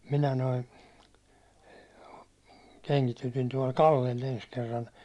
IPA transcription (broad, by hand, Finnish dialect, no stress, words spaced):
minæ noi keŋkitytin tuɒl kɑlːel ens kerːɑn̞